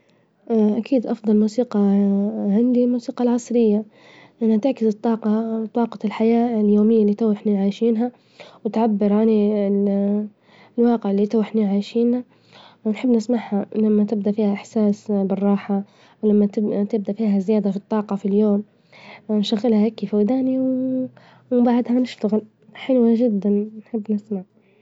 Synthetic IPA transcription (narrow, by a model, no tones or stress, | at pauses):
ʔʔakiːd̪ʔɑfd̪ˤɑlmuːsiːqɑʕand̪ilmuːsiːqɑlʕɑsˤɾɪjːa | ʔanhat̪ɪʕkɪzɨt̪ˤːɑːqɑt̪ˤːɑːqɑlħajaːɪljoːmɪjːalːiːt̪awɪħniʕaːjʃiːnɦa | wɪt̪ʕabːɪɾʕani | lwɑːqɪʕɪlːit̪awɪħniʕaːjʃiːnha | nħɪbːnɪsmaʕhalamːat̪ɪb̚d̪afiːhaʔɪħsaːsbɪrˤːɑːħa | wlamːat̪ɪb̚d̪afiːɦazɪjaːd̪afit̪ˤːɑːqɑfiljoːm | nʃaɣːɪlhaʔakːifawd̪aːniw | wbaʕd̪hanɪʃt̪aɣɪl | ħɪlwaʒɪd̪ːannħɪbːnɪsmaʕ